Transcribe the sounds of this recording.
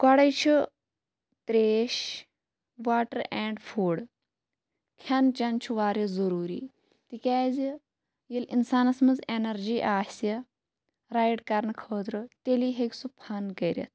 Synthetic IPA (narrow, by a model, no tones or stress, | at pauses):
kɐɽɐjt͡ʃʰu | t̪ɾeːʃ | ʋaːʈəɾɛːɳɖfʰuːɽ | kʲʰɐnt͡ʃɐnt͡ʃʰuʋaːɾjizɐɾuːɾḭː | t̪ikʲaːzi | jilinsaːnɐsmɐzenɐɾd͡ʒiːʔaːsɐ | ɾaːjɖkɐɾnɨkʰəːt̪ɾɨt̪eliːɦekʲsupʰɐnkɐɾʲɐ̰t̪ʰ